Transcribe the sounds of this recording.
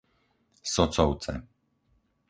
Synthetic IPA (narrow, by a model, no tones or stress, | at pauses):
sɔt͡sɔʊt͡sɛ̰